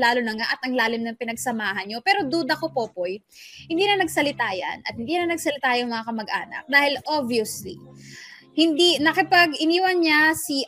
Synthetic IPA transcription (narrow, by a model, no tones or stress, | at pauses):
laːlonɐŋaʔɐt̪ɐŋlaːlɪmnɐŋpɪnɐɡsɐmaːɦɐnɲo̞pɛːɾo̞d̪ud̪ɐkopoːpoj | hɪnd̪iːnɐnɐɡsɐlɪt̪aːjɐ̰nɐt̪̚hɪnd̪iːnɐnɐɡsɐlɪt̪aːjʊŋmɐŋakɐmɐɡʔaːnɐ̰k̚d̪aːhɪlʔobiʊsli | hɪnd̪inɐkɪpaɡɪniːwɐnɲasi